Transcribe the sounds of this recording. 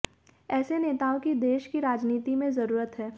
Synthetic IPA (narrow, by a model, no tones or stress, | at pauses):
ɛːseneːt̪aːõkid̪eːʃkiɾaːd͡ʒniːt̪imẽzɐɾuːɾət̪ɦɛː